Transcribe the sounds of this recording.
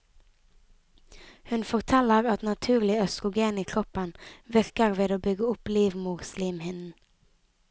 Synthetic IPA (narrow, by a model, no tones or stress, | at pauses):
hʉnfɔʁt̪ʰɛləʁɑt̪nɑt̪ʰʉːʁlɪœst̪ʁʊɡeːniːkʰʁɔpənʋɪʁkəʁʋeːd̪oːbʏɡəʊpliːʋmʊsliːmhɪnn̩